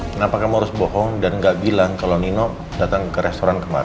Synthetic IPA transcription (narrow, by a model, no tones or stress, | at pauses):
ənapakahməɾʊsbɔɦɔŋdanŋɡaʔbilaŋkalaninɔʔ | dat̪aŋkəɾɛst̪oɾankəma̰ɾ